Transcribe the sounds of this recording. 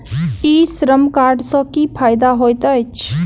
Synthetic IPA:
iːsɾəmkaːɾɖsɔ̃kipʰaːjd̪aɦojt̪əjt͡ʃʰ

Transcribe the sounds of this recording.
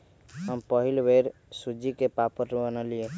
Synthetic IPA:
ɦəmpəɦilbʱeɾsud͡ʒikepapəɾbənəlie

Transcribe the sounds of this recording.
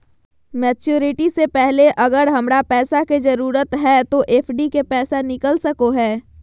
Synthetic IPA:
mɛːt͡ʃjuːɾɪʈisepɛɦleʔɐɡəɾɦɐmɾapɛːsaked͡ʒɐɾuːɾət̪ɦɛːt̪oʔeːpʰɖikepɛːsanɪkəlsəkoɦɛː

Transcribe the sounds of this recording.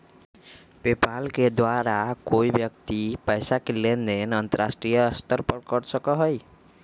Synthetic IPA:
pepalked̪waɾakoibjəkt̪ipəjsakelend̪enənt̪əɾasʈɾijəst̪əɾpəɽkəɽsəkɔɦɔj

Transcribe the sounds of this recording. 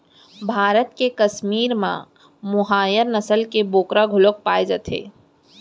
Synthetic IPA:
bʱaːɾət̪kekɐsmiːɾmã̰ | mʊɦaːjəɾnəsəlkeboːkɾaɡʱʊlok̚paːed͡ʒət̪ʰḛː

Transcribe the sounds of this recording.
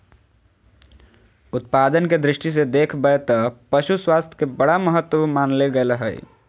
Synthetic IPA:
ʊt̪̚paːd̪ənked̪ɾɪʃʈis̬ed̪eːkʰbəet̪ɔpəʃuswaːst̪ʰj̥kebəɽaməɦət̪ːwəmaːnleɡələɦəj̰

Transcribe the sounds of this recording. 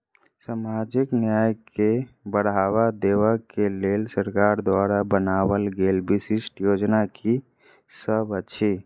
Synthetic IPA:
samad͡ʒiknjajkebəɽ̤aβad̪eʋəkelelsəɾkaɾd̪waɾabənabəlɡelbisisʈjod͡ʒnaki | səbət͡ʃʰi

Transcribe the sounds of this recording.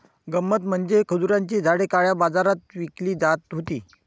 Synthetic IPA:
ɡəmːət̪m̤əɳd͡zekʰəd͡zuɾjaɲt͡ɕiːd͡zʱaɽekaɭjabad͡zaɾat̪ʋikliːd͡zat̪ɦot̪ḭː

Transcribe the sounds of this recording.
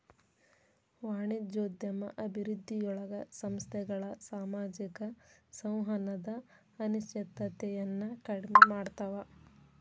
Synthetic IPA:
ʋaːɳid͡ʒoːd̪jɐmɐ̰ʔɐbʱiɾud̪ʱːijɔɭɐɡɐsɐmst̪ʰɛɡɐɭɐsaːmaːd͡ʒikɐsɐ̃w̃ɦɐnɐd̪ɐː | nuʃɐt̪ːɐt̪ɛjɐnːɐkɐɽmemaːɽt̪aʋɐ

